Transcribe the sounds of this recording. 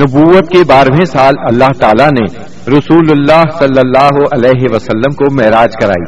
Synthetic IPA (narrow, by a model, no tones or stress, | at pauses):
nʊbuːʋət̪̚kebaːɾmẽsaːlɐlːaɦt̪aːlane | ɾɐsuːlʊlːaːɦsɐlːəlːaːɦoʔɐlɛːɦeʋɐsɐlːəmkomɛɦɾaːd͡ʒkɐɾa̰ːḭ